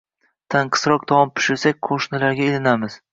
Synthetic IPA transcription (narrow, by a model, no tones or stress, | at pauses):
t̪ʰaɴqʰɨ̥sɾɒq̚d̪ʰɒwɒmpʰʊ̥ʃɪɾsak̚ʲqʰoʃnɪlaɾɡʲaelɪnamɪz̥